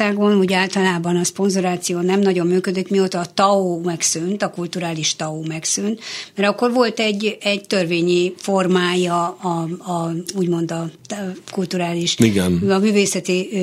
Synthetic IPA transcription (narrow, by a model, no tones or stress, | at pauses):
aːɡonuːɟaːlt̪ɒlaːbɒnɒspo̞nzoɾaːt̪sijoːnɛmnɒɟo̞mːyːkød̪it̪mioːt̪ɒːt̪ɒoːmɛksynt̪ɒkult̪uɾaːliʃt̪ɒoːmɛksynt̪mɛɾɒkːo̞rʋo̞lt̪ɛɟːɛɟt̪ørveːɲiformaːjɒː | uːɟmo̞nd̪ɒ | kult̪uɾaːliʃiɡɛnɒmyːveːsɛt̪i